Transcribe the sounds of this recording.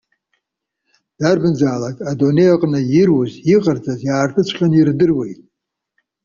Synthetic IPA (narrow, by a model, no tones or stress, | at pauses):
d̥arbɨnd͡zaːlakʼadone̞jaqʼnɨjirwuziqʼərd͡zazjaːrtʰɨt͡sʷʰχʲanirdɨrwe̞jtʼ